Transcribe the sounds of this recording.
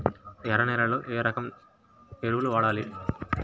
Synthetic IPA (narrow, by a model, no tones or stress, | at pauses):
ɛɾɐnɛːɾɐloːʔeːɾɐkɐm | eɾuʋuluʋaːɽaːli